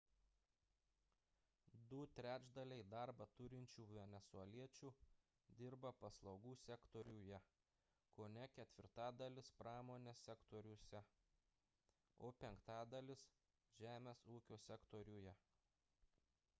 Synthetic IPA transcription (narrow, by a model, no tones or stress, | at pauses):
d̪ʊt̪ʲɾʲæːd͡ʒd̪ɐlʲɛɪd̪ɑɾbɐt̪ʊɾʲɪnʲt͡ʃʲuːʋʲɛnʲɛsuɐlʲiɛt͡ʃʲuː | d̪ʲɪɾbɐpɐslˠɒʊɡuːsʲɛkt̪ɔɾʲuːjɛ | koːnʲɛkʲɛt̪ʲʋʲɪɾt̪ɑːd̪ɐlʲɪspɾɑːmoːnʲesʲɛkt̪oɾʲusʲɛ | oːpʲɛŋkt̪ɑːd̪ɐlʲɪs | ʒ̥ʲæːmʲeːsuːkʲoːsʲɛkt̪ɔɾʲuːjɛ